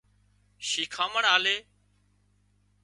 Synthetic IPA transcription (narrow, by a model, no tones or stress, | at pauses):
ʃiːkʰaːməɳaːleː